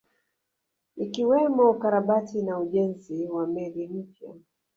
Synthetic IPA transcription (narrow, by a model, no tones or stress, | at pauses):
ikiwɛmɔukaɾaɓatinauʄɛnziwamɛlim̩pja̰